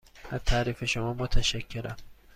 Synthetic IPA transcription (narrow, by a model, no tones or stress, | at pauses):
ʔæzt̪ʰaːɾiːfeʃomɒːmot̪ʰæʃækʰːeɾæm